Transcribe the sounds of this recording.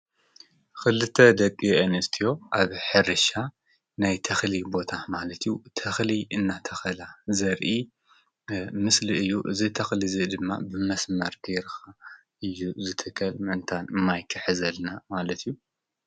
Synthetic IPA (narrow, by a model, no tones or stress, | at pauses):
kɨlɨt̪ʰːɐd̪ɐkʼːiʔɐnɨst̪ʰijo̞ʔaβħɨɾɨʃa | najt̪ʰɐxlibo̞t̪ʰamalɐt̪ʰɨjut̪ʰɐxliɨnːat̪ʰɐxɐlazɐɾʔi | mɨsliɨjːuʔɨ̰zit̪ʰɐxlizɨd̪ɨmːa̰bɨmɐsmɐɾd̪eɾxa | ʔɨjːuzɨt̪ʰɨkʰɐlmɨɨnt̪ʰanɨmːajkʰːɨħɨzɐlnamalɐt̪ʰijːu